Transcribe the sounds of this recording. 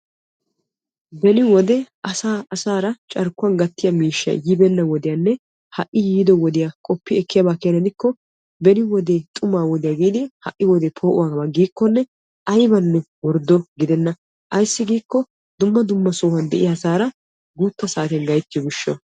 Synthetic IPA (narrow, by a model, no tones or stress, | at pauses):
bɛnɪwɔd̪ɛ | ɐsaːɐsaːɾɐt͡ʃʼɐɾkːʊɐnɡɐt̪ːɪjɐmiːʃːɪa̰jɪbɛnːɐwɔd̪ɪjanːɛ | hɐʔːɪjiːd̪ɔwɔd̪ɪjakʼɔpːɪɛkːɪjabaːkeːnɐd̪ɪkːɔ | bɛnɪwɔd̪et̪ʼʊmaːwɔd̪ɪjaːɡiːd̪ɪhɐ̰ʔːɪwɔd̪ɛpʰoːʔʊwaːɡbɐɡiːkːɔnːɛ | ʔɐjbɐnːɛwɔɾd̪ɔɡɪd̪ɛnːɐ | ʔɐjsːɪɡiːkːɔ | d̪ʊmːɐd̪ʊmːɐsoːwɐnd̪ɛʔɪjasaːɾɐ | ɡuːt̪ːɐsaːt̪jnɡɐjt̪ːɪjɔɡɪʃːɔ